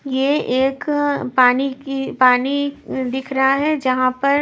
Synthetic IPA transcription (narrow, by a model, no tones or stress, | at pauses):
jeʔeːkpaːniipaːnid̪ɪkʰɾɐɦaɦɛd͡ʒɐɦãpɐɾ